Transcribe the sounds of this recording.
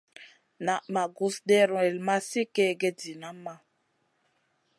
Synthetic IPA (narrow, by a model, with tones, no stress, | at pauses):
na˨ma˨ɡu˨sde˦ɾɔ̃˨ɛ˨lma˦si˦ke˦˨ɡe˦di˨na˦ma˦